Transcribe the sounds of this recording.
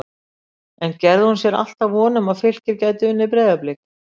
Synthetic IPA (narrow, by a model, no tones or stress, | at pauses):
ɛncɛɾðɪhunsjɛɾa̰l̥t̪avvɔːnʏmaðfɪl̥cɪɾcaːjt̪ɪʏnːɪpɾɛːðaplɪk